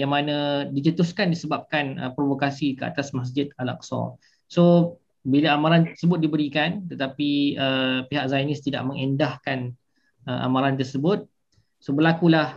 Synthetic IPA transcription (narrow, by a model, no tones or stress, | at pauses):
jaŋmãnãdid͡ʒət̪uskandisəbap̚kanə̰pɾovokasikəa̰t̪asmas̬d͡ʒɪt̪ala̰k̚sɔ̰̃ | so | bilaamaɾant̪ərsəbʊt̪̚dibəɾikant̪ət̪apiəpiɦak̚zajnɪst̪ida̰ʔ̚mə̃ŋəndahkan | əʔa̰mãɾant̪̬ərsəbʊt̪̚ | sobərlakulah